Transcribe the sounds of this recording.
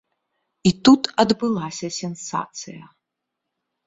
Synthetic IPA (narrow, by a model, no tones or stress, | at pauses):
it̪ut̪ɐd̪bɨlˠasʲɐsʲɛnsa̰t̪sɨjɐ